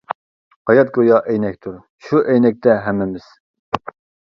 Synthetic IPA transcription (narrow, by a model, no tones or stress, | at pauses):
hɑjɑt̪̚ɡʲojɑʔɛjnɛk̚ʲt̪ʰuɾ | ʃuʔɛjnɛk̚ʲt̪ʰɛɦɛmːɪmɪz̥